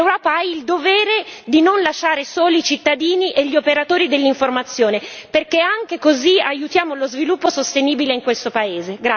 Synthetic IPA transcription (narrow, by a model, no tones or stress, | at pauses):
ewɾɔːpaaild̪ovɛːɾed̪inonlaʃaːɾesoːliit͡ʃit̪ːad̪iːniʔeʎːiopeɾat̪oːɾid̪elːiɱformat̪sːjoːneperkeaŋk̟ekoziajut̪jaːmolozvilupːosost̪eniːbileiŋkwest̪opaeːzeɡɾa